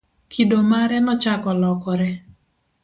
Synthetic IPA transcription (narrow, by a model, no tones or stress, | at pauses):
kʰidomaɾɛnɔt͡ʃakɔlɔkɔɾɛ